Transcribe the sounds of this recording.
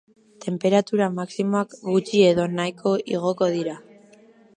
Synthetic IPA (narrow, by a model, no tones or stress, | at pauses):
t̪e̞mpe̞ɾat̪uɾamaksimo̞akɡut͡ʃie̞ðo̞najkʰo̞ʔiɣ̞o̞ko̞ðiɾa